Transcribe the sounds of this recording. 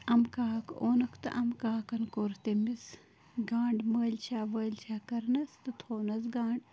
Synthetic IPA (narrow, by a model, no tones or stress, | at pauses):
ɐmkaːkoːnɐkʰt̪ɨ̰ʔɐmkaːkɐnkoːɾt̪emis | ɡãːɳɖməːlʲt͡ʃʰaːʋəːlʲt͡ʃʰaːkɐɾnɐst̪ɨt̪ʰoːnɐsɡãːɳɖ